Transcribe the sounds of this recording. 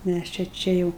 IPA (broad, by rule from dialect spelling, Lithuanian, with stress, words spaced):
ˈmʲæs t͡ʃʲɛ ˈt͡ʃʲɛ jɛʊ